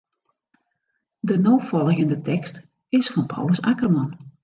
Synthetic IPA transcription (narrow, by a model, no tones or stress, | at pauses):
dənoːfɔlˠɣəndətɛkst | ɪsfɑnpʰɔ̰wləsakərmɑn